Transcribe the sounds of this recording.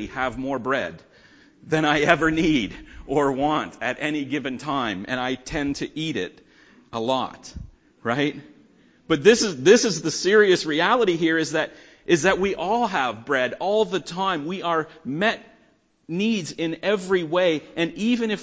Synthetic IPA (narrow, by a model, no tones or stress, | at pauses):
iɨvmɔɹbɹɛ̰d̪̚ | ðɨ̃ɾ̃aɪɛvə˞niɾʔə˞wɑ̃ntɨɾɛñiɡɪvɨ̃ntʰãɪ̃mɨ̰̃ñaɪtʰɛ̃ntʰɨʔiɾɪ̰ɾ | əlɔ̰t | ɹaɪt̚ | b̥ʌt̪̚ðɪsɨzðɪsɨzðɨsɪɹiɨsɹiælˠəɾiɦiɹɨzðɨɾ | ʔɨzðɨt̚wiʔɔlˠəvbɹɛɾɔlˠðɨtʰãɪ̃mwiə˞mɛt̚ | nidzɪ̃nɛvɹiweɪʔɨ̃nivɨ̃nɨf